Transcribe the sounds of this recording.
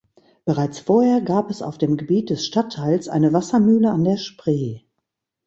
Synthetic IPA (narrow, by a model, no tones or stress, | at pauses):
b̥əʁaɪt͡sfoːɐheːɐɡaːpɛsa̰ʊfd̥eːmɡəbiːt̚d̥ɛsʃtatʰːaɪlsʔa̰ɪnəvasɐmyːləandeːɐʃpʁ̥eː